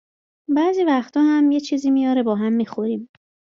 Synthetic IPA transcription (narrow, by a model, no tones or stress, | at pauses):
bæːziːvæxt̪ʰɒːhæmjet͡ʃʰiːziːmijɒːɾebɒːɦæmːixoɾiːm